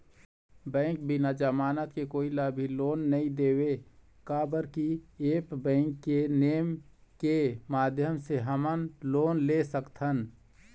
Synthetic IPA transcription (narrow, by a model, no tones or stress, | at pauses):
bɛ̃ːŋk̚bʱinad͡ʒəmaːnət̪kekoːilaːbʱiloːnːɐɦĩd̪eːwe | kaːbəɾkieːpbɛ̃ːŋkːeneːmkemaːd̪ʱjəmseɦəmənloːnlesəkt̪ʰɦən